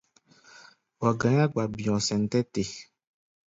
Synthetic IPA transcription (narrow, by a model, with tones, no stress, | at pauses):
wa˨ɡã˨˦ɲã˦ɡ͡ba˨bĩ˨ɔ̃˨sɛ̃˨n̩˦tɛ˦te˨